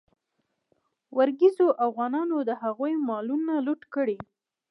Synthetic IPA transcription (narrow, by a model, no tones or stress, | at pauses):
waɾɡizoʔafɣɑnɑnod̪əɦaɣujmɑlunaluʈkəɽi